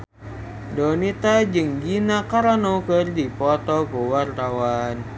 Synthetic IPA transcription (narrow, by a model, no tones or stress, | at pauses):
dɔnit̪ad͡ʒɨŋɡinakaɾanokərdipɔt̪ɔkuwart̪awan